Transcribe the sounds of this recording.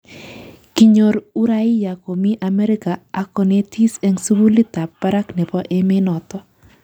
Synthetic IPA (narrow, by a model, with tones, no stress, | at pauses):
ki˨ɲo˨ɾu˦ɾa˦ɪ˦ja˨ko˨mi˦ʔa˨mɛ˦ɾɪ˦ka˨a˦kɔ˨ne˦t̪ʰi˦sɛ˦ŋsu˦wu˦li˦t̪a˨pːa˦ɾa˦knɛ˨bɔ˦ʔe˦mɪ˦nɔ˨t̪ɔ˦